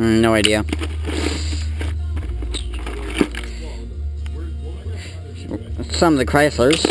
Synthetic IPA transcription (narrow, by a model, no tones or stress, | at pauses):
noʊaɪdiɨ | sʌ̃mʌvðɨkʰɹ̥aɪslˠə˞z̥